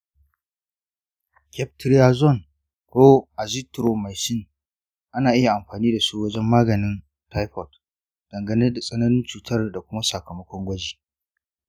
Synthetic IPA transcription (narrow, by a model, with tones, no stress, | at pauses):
kʲʰɛ˦p̚tɪ˦ɾja˦zɔ˦˨n | kʷo˦ʔa˨zi˦tɾo˨ma˨jsɪ˦˨n | ʔa˦naː˨ʔɪ˦ja˨ʔa˨mɸaː˨niː˦da˨su˦wɐ˦d͡ʒɛ˦mːaː˦ɡɐ˨nɪ˦n | ta˦jɸɔ˨t | d̥ɐ˨ŋɡɐ˨nɐ˦da˨sʼɐ˦nɐ˦nɪ˦nt͡ʃuː˨tɐ˦rda˨kʷʊ˦ma˦sɐ˨kɐ˨mɐ˦kʷɔ˦ŋɡʷɐ˦d͡ʒiː˨